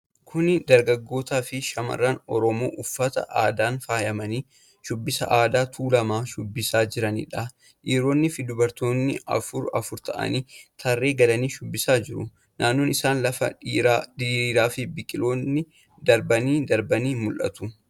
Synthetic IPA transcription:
kʰʊnɪd̪ɐɾɡɐɡːo̞ːt̪aːfɪʃɐmɐ̰rːɐnɔɾɔmo̞̰ːʔʊfːɐt̪ɐ̰ʔaːd̪aːnfaːjɐmɐniː | ʃʊbːɪsɐ̰ʔaːd̪aːt̪ʰuːlɐmaːʃʊbːɪsaːd͡ʒɪɾɐnɪ̰ᶑɐ | ʔiːɾo̞ːnːɪfɪd̪ʊbɐɾt̪o̞ːnːɪɐ̰fʊɾɐfʊɾt̪ɐ̰ʔɐ̰niːt̪ʰɐrːe̞ːɡɐlɐniːʃʊbːɪsaːd͡ʒɪɾʊ̰ | nʔaːnːoːnɪsaːnlɐfɐ̰ɾaːd̪iɾiːɾaːfɪbɪkʼɪlo̞ːnːɪ | d̪ɐɾbɐniːd̪ɐɾbɐniːmʊlʔɐ̰t̪ʊ

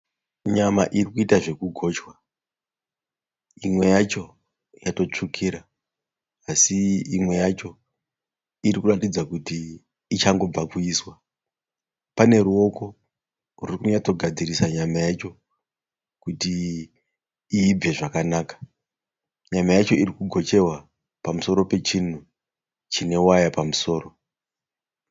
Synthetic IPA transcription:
ɲama̰ʔirikuitaʐe̞kuɡʱo̞t͡ʃwa | imwe̞jat͡ʃo̞ | jato̞t͡ʂukʰiɾa | asiimwe̞jat͡ʃo̞ | iɾikuratid͡zakutiː | t͡ʃaŋɡo̞b͡vakuiːswa | pane̞ɾuo̞ko̞ | rurikuɲato̞ɡʱad͡zirisaɲamajet͡ʃo̞ | kuti | b͡ve̞ʐakanaːkḁ | ɲamajat͡ʃo̞iɾikuɡʱo̞t͡ʃe̞wa | pamuso̞ɾo̞pe̞t͡ʃin̤u | t͡ʃine̞wajapamuso̞ːro̞

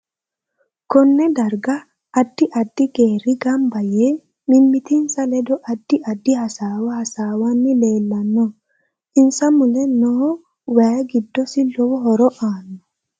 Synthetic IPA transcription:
kɔnːɛd̪ɐɾɡɐ | ʔːd̪ːɪʔɐd̪ːɪɡeːɾɪɡɐmbɐje | mɪmːɪt̪ɪnsɐlɛd̪ɔʔɐd̪̥ːɪɐd̪ːɪhɐsaːwɐhɐsaːwɐnːɪle̞ːlːɐnːɔ | ɪnsɐmʊlɛnɔhɔ | waːɡɪd̪ːɔsɪlɔwɔɦɔɾɔʔaːnːɔ

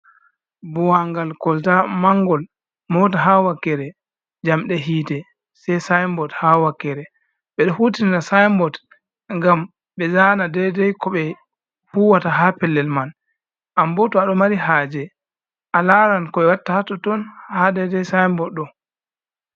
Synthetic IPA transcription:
buwaŋɡalkɔltamaŋɡɔl | mɔtaɦawakːɛɾɛ | d͡ʒamɗɛɦiːtɛ | sɛjsajmbɔthawakːɛɾɛ | ɓɛɗɔhutinanasajmbɔt | ŋɡam | ɓɛzaːnadɛdɛjkɔɓɛ | fuwataɦapɛlːɛlman | ʔambɔtɔaɗɔmaɾiɦaːd͡ʒɛ | ʔalaɾankɔɓɛwatːahatɔtɔnhadɛdɛjsajmbɔtɗɔ

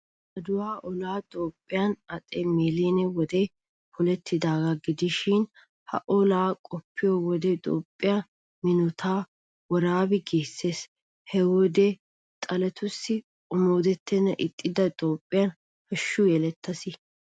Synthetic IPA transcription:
ʔɐd̪ʊwaːʔɔlaːt̪ʼoːpʼːɪjɐnɐt̪ʼɛmeːleːnɛwɔd̪ɛ | pʰɔlɛt̪ʰːɪd̪aːɡɐɡɪd̪ɪʃɪn | hɐ̰ʔɔlaːkʼɔpʰːɪjowɔd̪ɛt̪ʼo̰ːpʼːɪja | mɪnɔt̪ʰaː | wɔɾaːbɛɡeːsːe̞ːs | hɛwɔd̪ɛ | t̪ʼɐlɛt̪ʊsːɪ | ʊmoːd̪ɛt̪ʰːɛnɐʔɪt̪ʼːɪd̪ɐt̪ʼo̞ːpʼːɪjɐn | hɐʃːʊjɛlɛt̪ːɐsɪ

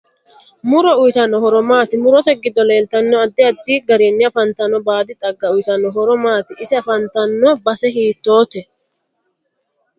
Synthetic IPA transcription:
mʊɾɔʊjt̪ɐnːɔhɔɾɔmaːt̪ɪmʊɾɔt̪ɛɡɪd̪ːɔle̞ːlt̪ɐnːɔɐd̪ːɪɐd̪ːiːɡɐɾeːnːɪjɐfɐnt̪ɐnːɔbaːd̪ɪt̪ʼɐɡːɐʊjt̪ɐnːɔɦɔɾɔmaːt̪ɪʔɪsɪɐfɐnt̪ɐnːɔbɐsɛɦiːt̪ːo̞ːt̪ɛ

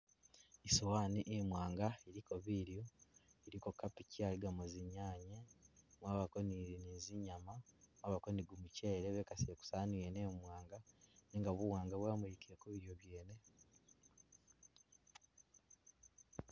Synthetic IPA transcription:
isuwaːniʔemwaːŋɡaiɾikoβiːɾjoiɾikokːapicialiɡamoziɲaːɲemwaːβako̞niniziɲamamwaːβako̞niɡumuce̞ːɾeβekasieku̥saːnijeneːmwaːŋɡaniːŋɡaβuwaːŋɡaβwaːmujikiɾekuβiɾjo̞βje̞ːne̞

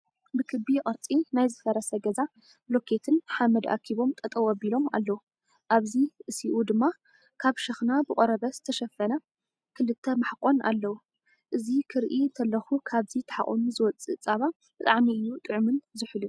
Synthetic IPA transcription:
bɨkʰɨbiqʼɨɾt͡sʼinajzɨfɐɾɐsɐɡɐza | blo̞kʰe̞t̪ʰɨnħamɐd̪ʔa̰kʰiβo̞mt̪ʼɐt̪ʼɐwɐbilo̞ma̰lːɐwu | ʔaβziʔɨsiʔud̪ɨmːa | kʰaβʃɐxnabɨkʼoɾɐβɐzɨt̪ʰɐʃɐfɐnɐ | kʰɨlɨt̪ʰːɐmaħkʼo̞na̰lːɐwu | ʔɨzikʰɨɾʔint̪ʰɐlːɐxukʰaβzit̪ʰɐ̥ħa̰χʼṵnuzɨwɔt͡sʼɨt͡sʼːaβa | b̥ɨt̪ʼaʕmiɨjːut̪ʼɨʕmɨnzɨħɨlu

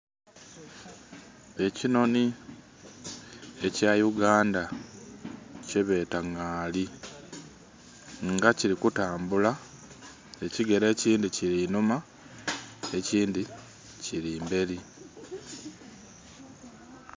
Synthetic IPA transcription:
e̞cino̞ni | e̞cajuɡaːnda | ceβe̞ːtaŋaːli | ŋɡaciɾikutaːmbula | e̞ciɡe̞ɾe̞ːciːndiciɾinuma | e̞ciːndi | ciɾiːmbe̞ɾi

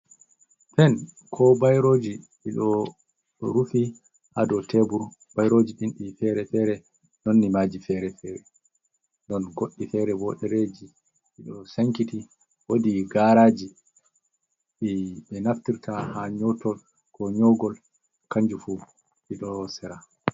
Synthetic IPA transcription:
fɛn | kʰɔbajɾoːd͡ʒiɓiɗɔ | ɗɔ̰ɾufi | ʔadɔtʰebuɾ | bajɾod͡ʒiɗinɗifɛɾɛfɛɾɛ | nonːimaːd͡ʒifɛɾɛfɛːɾɛ | ndɔnɡoɗːifɛɾɛbɔɗɛɾed͡ʒi | ɓiɗɔsaŋkiti | wodiɡaɾaːd͡ʒi | ɗiɓɛnaftiɾtʰahaɲɔtɔl | kɔɲɔɡɔl | kaɲd͡ʒufu | ɓiɗɔsɛɾa

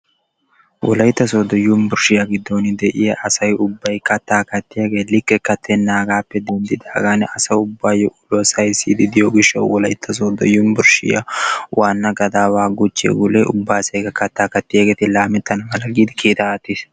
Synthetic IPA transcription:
wʔɔ̰lɐjt̪ːɐsoːd̪ɔjːʊmbʊɾʃɪjaɡɪd̪ːonɪd̪ɛʔɪjɐʔɐsɐjʊbːɐjkɐt̪ːaːkɐt̪ːɪjɐɡe̞ːlɪkːɛkɐt̪ʰːɛnːaːɡaːpːɛd̪ɛnd̪ɪd̪aːɡanɐsɐʊbːaːjɔʔʊlosɐjsiːd̪ɪd̪ɪjoɡɪʃːɐ̰wwɔlɐjt̪ʰːɐs̬oːd̪ɔjːʊmbʊɾʃɪ̰ja̰wʔaːnːɐɡɐd̪aːwaːɡʊt͡ʃːḛɡʊlḛʔʊbːaːsɐjɡɐkɐt̪ːaːkɐt̪ːɪjaɡe̞ːt̪ɪlaːmɛt̪ːɐnɐmɐlɐɡiːd̪ɪkʰiːt̪ɐɐt̪ːɪs

